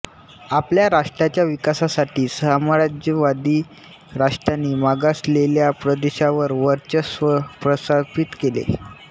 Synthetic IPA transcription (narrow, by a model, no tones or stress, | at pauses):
apljaɾaʂʈɾat͡ɕjaʋikasasaʈʰiːsəməɾad͡ʑəʋad̪iː | ɾaʂʈɾanːiːmaɡasleljapɾəd̪eɕaʋəɾʋəɾt͡ɕəsʋəpɾəsapit̪kelḛ